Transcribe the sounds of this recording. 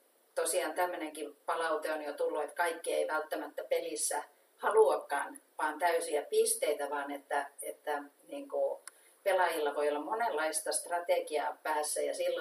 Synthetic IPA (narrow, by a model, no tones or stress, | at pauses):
t̪osiɑːnt̪æmːøneŋkipɑlɑut̪eonjot̪ulːuet̪kɑikːieiʋælt̪ːæmæt̪ːæpelisːæ | hɑluɑkːɑːnʋɑːnt̪æysiæpist̪eit̪æʋɑːnet̪ːæet̪ːæniːŋku | pelɑjilːɑʋoiolːɑmmonelːɑist̪ɑst̪rɑt̪eˑɡiɑ̰pæːsːæjɑsilːo